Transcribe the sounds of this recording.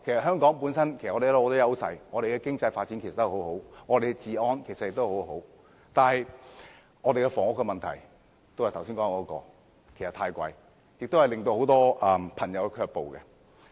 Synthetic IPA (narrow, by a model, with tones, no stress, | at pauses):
kʰe˨˩sɐ˨t̚ɦœː˥ŋkɔː˨˥ŋpuː˨˥nsɐ˥nkʰe˨˩sʔɔː˨˧˥e˨˦˥lo˧˨˧t̪o˥jɐ˥wsɐ̰˧jŋɔː˨˧ɾe˨jkɛ˧kɪ˥ŋt͡sɐ˧jfaː˧tt͡sːiː˨˥nke˨˩sɐ˨t̪ːho˨˧˥who˨˥wŋɔː˨˧ɾe˨ɡɛ˧t͡siː˨ɔː˥nkʰe˨˩sɐ˨t̚jɪ˨kt̪o˥ho˨˧˥ɦo˨˥w | t̪aː˨nhɐ˨j | ŋɔː˨˧ɾe˨kɛ˧fɔː˨˩ŋʊ˨˩kːɛ˧mɐ˨nt̪ʰɐ˨˩j | t̪o˥whɐ˨jt̪ʰwsiː˥nkɔː˧˥ŋ˧kɔː˧˥kɔ̰ː˧ | kʰe˨˩sɐ˨t̪ʰaː˧jkʷɐ̰˧j | jɪ˨k̚t̪whɐ˨jlɪ˨ŋt̪o˧who˨˥wt̪ɔː˥ʔɐ˨mpʰɐ˨˩ŋjɐ˨˧wkɛ˧kʰœː˧k̚po˨wkɛ˧